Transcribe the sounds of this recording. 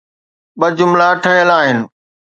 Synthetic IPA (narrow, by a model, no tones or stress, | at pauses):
ɓɐd͡ʑʊmlaʈʰɐ̃jəlaːɦɪnɪ̆